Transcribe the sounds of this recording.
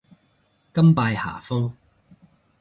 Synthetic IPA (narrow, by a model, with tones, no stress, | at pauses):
kɐ˥mpaː˧jha̰ː˨˩fʊ˥ŋ